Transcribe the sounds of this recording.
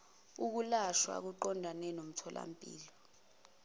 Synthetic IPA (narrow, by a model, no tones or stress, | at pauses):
uk̬ulaʃwa̰k̬uǃɔndʱanɛnom̩tʰɔlʔa̰mpʼḭːlɔ